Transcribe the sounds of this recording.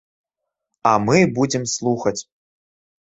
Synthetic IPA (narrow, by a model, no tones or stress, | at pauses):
amɨbud͡zʲɛmslˠuxɐt͡sʲ